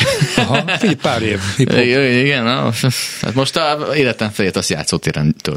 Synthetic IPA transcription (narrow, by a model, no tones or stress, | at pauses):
fipaːɾeːviujiɡɛnot̪a̰ːt̪moʃt̪ɒeːlɛt̪ɛ̃ɱfɛlet̪ɒsja̰ːt̪soːt̪eːɾɛ̰nt̪ø̰l